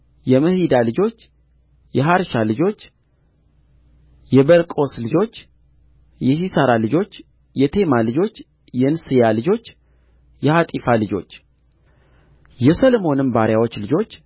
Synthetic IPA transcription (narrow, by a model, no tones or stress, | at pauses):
jɛməhid̪alɨd͡ʒo̞t͡ʃː | jɛɦaɾʃalɨd͡ʒo̞t͡ʃː | jɛbəlkʼo̞slɨd͡ʒo̞t͡ʃː | jɛsisəɾalɨd͡ʒo̞t͡ʃː | jɛt̪ʰe̞malɨd͡ʒo̞t͡ʃː | jɛnsɨjalɨd͡ʒo̞t͡ʃː | jɛhat̪ʼifalɨd͡ʒo̞̰t͡ʃː | jɛsəlmo̞nɨmbaɾjawo̞t͡ʃːlɨd͡ʒo̞t͡ʃː